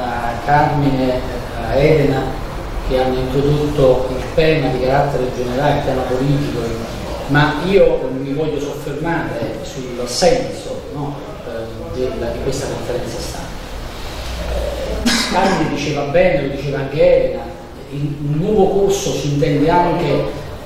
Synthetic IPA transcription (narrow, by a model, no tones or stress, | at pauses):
kːarmine | ɛːd̪ena | k̟eanːoint̪ɾod̪ot̪ːoilt̪ɛːmad̪ikaɾat̪ːeɾed͡ʒeneɾaːlet̪ːɛːmapoliːt̪iko | maiːomivɔʎːosofːermaːɾesulsɛnsonɔ | d̪elːad̪ikwest̪akoɱfeɾɛnt̪sast̪a̰ | amːined̪it͡ʃɛːvabːɛːnelod̪it͡ʃeːvaaŋk̟eɛːd̪ena | inunːɔːvokursosiint̪̬ɛnd̪eaŋk̟e